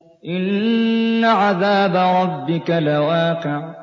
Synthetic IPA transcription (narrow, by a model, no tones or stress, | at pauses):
ʔɪnː | aʕaðaːbaɾˤɑbːɪkalawaːqɪʕ